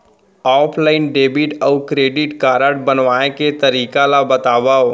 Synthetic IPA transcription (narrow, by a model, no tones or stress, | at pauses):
ɔːpʰlaːɪnɖeːbiʈɔʊkɾeːɖɪʈkaːɾəʈ̚bənʋaːẽket̪ɐɾiːkalabɐt̪aːʋao